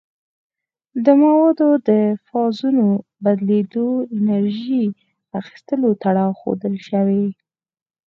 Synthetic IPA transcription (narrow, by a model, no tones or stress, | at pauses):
d̪əmawɑd̪od̪əfɑzunobad̪led̪oɪnaɾʒi | axi̥st̪əlot̪aɽɑwxo̰d̪əlʃawe